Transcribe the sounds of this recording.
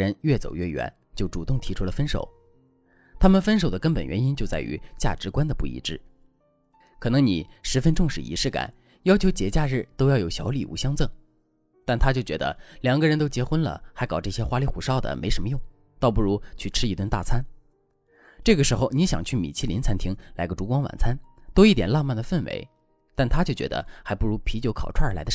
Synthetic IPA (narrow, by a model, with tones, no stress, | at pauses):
ɻə˧˥nɥɛ˥˩t͡so˨˩ʊɥɛ˥˩ɥɛ̰˧˥n | t͡ɕjo˥˩ʊʈ͡ʂu˨˩t̪ʊ˥˩ŋt̪ʰi˧˥ʈ͡ʂʰu˥lə˨fə˥nʂo̰˨˩˦ʊ | t̪ʰa˥mə˨nfə˥nʂ̬o˨˩d̪ə˦kə˥npə˨˩nɥɛ̰˧˥ni˥nt͡ɕjo˥˧ʊt͡sa̰˥˩ɪʔy̰˧˥t͡ɕja̰˥˩ʈ͡ʂɻ̩˧˥kwa˥nd̪ə˨pṵ˥˩ḭ˧ʈ͡ʂɻ̩˥˩ | kʰɤ˨˩nɤ˧˥ŋni˨˩ʂɻ̩˧˥fə˥nʈ͡ʂʊ˥˧ŋʂɻ̩˨˩ḭ˧˥ʂɻ̩˥˩ka̰˨˩˦n | jɑ˥ʊt͡ɕʰo˧˥ʊt͡ɕjɛ˧˥t͡ɕja˥˧ɻɻ̩˥˩t̪o˥ʊjɑ˥˩ʊjo˨˩ʊɕjɑ̰˧˥ʊlḭ˥˨˩ʔṵ˧˥ɕjɑ˥ŋt͡sɤ˥˩ŋ | t̪a˥˩nt̪ʰa˥t͡ɕjo˥˩ʊt͡ɕɥɛ˧˥d̪ə̰˧ljɑ˨˩ŋɡə˧ɻə˧˥nt̪o˥ʊt͡ɕjɛ˧˥xwə˥nlə̰˨xa˧˥ɪkɑ˨˩ʊʈ͡ʂɤ˥˩ɕjɛ˥xwa˥li˥˩xu˨˥˩ʂɑ˥ʊd̪ə̰˨mʔe˧˥ɪʂə˧˥nmə˧jʊ˥˩ŋ | t̪ɑ˥˧ʊp̬u˥˩ɻu˧˥t͡ɕʰy˥˧ʈ͡ʂʰɻ̩˥i˧˥t̪wə˥˧nt̪a̰˥˩t͡sʰa˥n | ʈ͡ʂɤ˥˩ɡə˩ʂɻ̩˧˥xo˥˧ʊni˧˥ɕjɑ̰˨˩ŋt͡ɕʰy˥˩mḭ˨˩t͡ɕʰi˥lḭ˧˥nt͡sʰa˥nt̪ʰi˧˥ŋla˧˥ɪɡə˧ʈ͡ʂu˧˥kwɑ˥ŋwa̰˨˩nt͡sʰa˥n | t̪o˥ʊi˥˩t̪jɛ˨˩nlɑ˥˧ŋma˥˩nd̪ə˩fə˥˩nwḛ˧˥ɪ | t̪a˥˩nt̪ʰa˥t͡ɕjo˥˩t͡ɕɥɛ˧˥d̪ə̰˧xa˧˥ɪpu˥˩ɻu˧˥pʰi˧˥t͡ɕjo˧˥ʊkʰɑ˨˩ʊʈ͡ʂʰwa˥˩ə˞˧˥la˧˥ɪdə˧